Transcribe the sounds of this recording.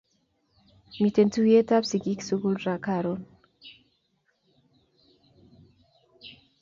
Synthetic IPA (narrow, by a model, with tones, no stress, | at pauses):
mi˨te˨ntu˦wje˦ta˦psi˨ɡi˦ksu˦ɡu˦lɾa˨kaɾo˦n